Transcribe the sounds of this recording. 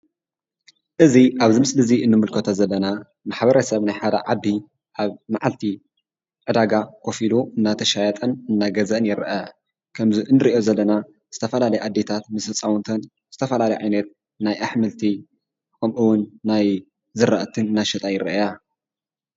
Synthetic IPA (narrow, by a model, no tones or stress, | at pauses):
ʔɨziʔaβzɨmɨsʼlɨziʔɨnːɨmɨlkʰɐt̪ʰozɐlːɐna | maħbɐɾɐsɐβnajħad̪ɐ̰ʕad̪ːi | ʔaβmaʕalt̪ʰi | ʕɨd̪aɡakʰo̞filuʔɨnːat̪ʰɐʃajɐt̪ʼɐnɨnːaɡɐzɐnjɪɾʔɐ | kʰɐmziʔɨnːɨɾiʔjozɐlːɐna | z̥ɨt̪ʰɐfɐlalɐjʔad̪ːe̞t̪ʰat̪mɨsɐt͡sʼawunt̪ʰɐn | z̥ɨt̪ʰɐfɐlalɐjʕajnɐt̪̚ | najʔaħmɨlt̪ʰi | kʰɐmʔɨwʊnːaj | zɨɾːa̰ʔt̪ʰɨnɨnːaʃɐt̪ʼajɪɾɐ̰ʔja